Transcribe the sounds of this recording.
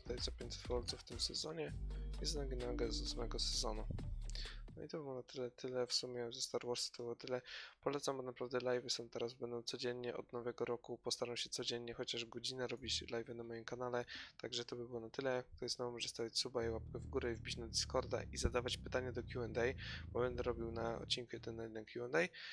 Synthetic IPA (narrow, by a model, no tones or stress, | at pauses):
t̪ajsɔpʲenst̪fɔlt̪suft̪ɘmsɛzɔɲɛɛznaɡʲinaɛɡad̪ɔsamɛɡɔsɛzɔnu | nɔit̪ɔbɘwɔnat̪ɘlɛt̪ʰɘlɛfsumʲjɛzɛst̪aɾwɔɾst̪ɔbwɔt̪ɘlɛpɔlɛt̪samɔnapɾavd̪ɛlajvɛsɔnt̪ɛɾazbɛnd̪ɔ̃w̃t̪sɔd͡ʑɛɲːɛʔɔ̰d̪nɔvɛɡɔɾɔkupɔst̪aɾamɕɛt̪sɔd͡ʑɛɲɲɛxɔt͡ɕaʐɡɔd͡ʑinɛɾɔbʲit͡ɕlajvɛnamɔjimkanalɛt̪aɡʐɛt̪ɔbɘbɘwɔnat̪ɘlɛkt̪uɾɛznɔvɔmɔʐɛst̪avʲat͡ɕʲsubaiwap̚kɛvɡuɾɛivbʲit͡ɕnad̪ʲiskɔɾd̪a̰ʔizad̪avat͡ɕpɘ̥t̪aɲɛd̪ɔkʲjuɛnd̪ɛjbɔbɛnd̪ɛɾɔbʲiwnaɔ̰t̪̚t͡ɕːiŋkujɛd̪ɛnɛjd̪ɛkʰʲjuɛnd̪ɛj